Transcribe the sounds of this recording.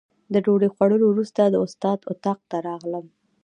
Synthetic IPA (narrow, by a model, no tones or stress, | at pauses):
d̪əɖoɖexwaɽəlowɾust̪ad̪əʊst̪ɑd̪ʊt̪ɑq̚t̪aɾɑɣləm